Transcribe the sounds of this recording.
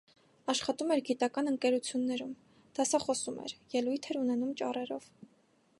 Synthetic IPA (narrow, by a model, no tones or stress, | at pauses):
ɑʃχɑt̪umɛɾɡit̪ɑkɑnəŋkɛɾut͡sʰjunːɛɾum | d̪̥ɑsɑχɔsumɛ̰ɾjɛlujt̪ʰɛɾunɛnumt͡ʃɑ̰rɛɾɔv̥